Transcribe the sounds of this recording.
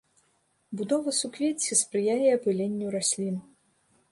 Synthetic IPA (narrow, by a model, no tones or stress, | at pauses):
bud̪ɔvɐsukvʲet͡sʲispɾɨjajɛɐpɨlʲenʲːuɾasʲlʲin